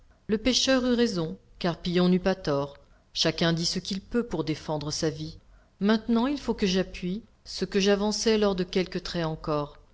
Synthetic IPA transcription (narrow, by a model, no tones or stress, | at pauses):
ləpeʃœʁyʁezɔ̃kaʁpijɔ̃nypat̪ɔʁ | ʃakʲɛ̃d̪isəkʲilpøpuʁd̪efɑ̃d̪ʁəsavi | mɛ̃t̪nɑ̃ilfokəʒapɥi | səkəʒavɑ̃sɛlɔʁd̪əkʲɛlkət̪χɛɑ̃kɔʁ